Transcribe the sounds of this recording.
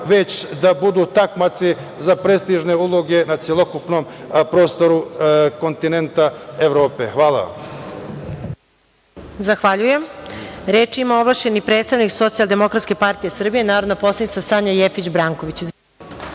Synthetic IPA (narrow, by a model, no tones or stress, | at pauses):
ʋet͡ɕd̪abud̪uːt̪akmat̪si | zapɾest̪iʒneulˠoɡe̞nat̪sjelˠokupnompɾo̞ːst̪oɾuko̞nt̪inent̪aeʋɾo̞ːpexʋaːlˠa̰ | zaxʋaʎujemɾeːt͡ʃimao̞ʋlˠaʃt͡ɕe̞nipɾet̪st̪aʋnikso̞t̪sialˠd̪e̞mokɾat̪ske̞paɾt̪ijesr̩bijenaːɾo̞d̪napo̞slˠanit̪asaɲajefit͡ɕbɾaːŋkoʋit͡ɕiz